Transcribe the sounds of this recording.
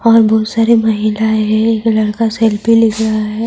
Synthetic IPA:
ɔːɾbɔːʊt̪saːɾemɐɦilaɦɛ̃eːklɐɽkaseːlpilɪkɾaaɦɛː

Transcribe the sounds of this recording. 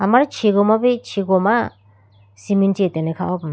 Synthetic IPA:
amaɾt͡ʃʰiɡɔmabit͡ʃʰiɡɔma | simint͡ʃit̪enekʰaɔp

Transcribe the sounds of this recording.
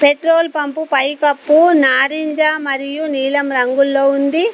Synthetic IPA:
peʈɾoːlpɐmpupɐjkɐpːunaːɾiɲd͡ʒaːmɐɾijuniːlɐmɾɐŋɡulːoːund̪i

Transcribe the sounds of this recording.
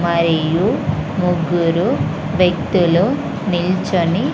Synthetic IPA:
mɐɾijumuɡuɾu | ʋjɐk̚t̪ulu | nilt͡ʃoni

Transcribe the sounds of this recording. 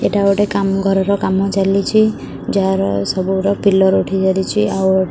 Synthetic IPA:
eʈaɔʈekamɡʱɔɾɔɾɔkamɔt͡ʃalit͡ʃʰi | d͡ʒaɾɔsɔbuɾɔpilɔɾuʈʰid͡ʒalit͡ʃʰiawɔ

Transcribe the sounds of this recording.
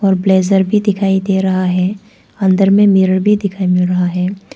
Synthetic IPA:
ɔːɾbleːzəɾbʱid̪ɪkʰaːid̪eːɾɐɦaɦɛː | ɐ̃nd̪əɾmẽmɪɾəɾbʱid̪ɪkʰaːimɪlɾɐɦaɦɛː

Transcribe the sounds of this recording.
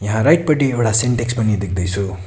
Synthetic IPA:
jaɦãɾajʈ̚pʌʈiewɽaseɳʈekspʌnid̪ek̚ʰd̪ʌjt͡sʰu

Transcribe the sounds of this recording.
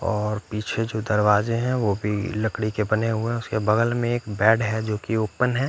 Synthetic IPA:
ɔːɾpiːt͡ʃʰed͡ʒoːd̪ɐɾʋaːzeɦɛ̃ʋobʱilɐkɽikebɐneɦʊẽʊskebɐɡəlmẽeːkbɛːɖɦɛd͡ʒoːkioːpənɦɛː

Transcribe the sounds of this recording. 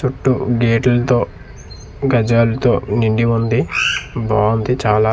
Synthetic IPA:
t͡ʃuʈːuɡeːʈɐlɐt̪o̞ː | ɡɐd͡ʒaːlɐt̪o̞ːniɳɖiund̪ibaːund̪it͡ʃaːlaː

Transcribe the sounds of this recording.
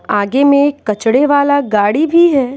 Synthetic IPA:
aːɡemẽkːɐt͡ʃɽeʋaːlaɡaːɽibʱiɦɛː

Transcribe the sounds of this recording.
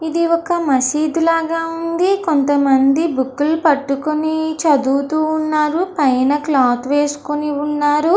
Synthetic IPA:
id̪iɔkːɐmɐsiːd̪ulaːɡaːund̪ikont̪ɐmɐnd̪ibukːulpɐʈːukunit͡ʃɐd̪uːt̪uːnːaːɾupɐjnɐklaːt̪ʰʋe̞ːsu̥kuniunːaːɾu

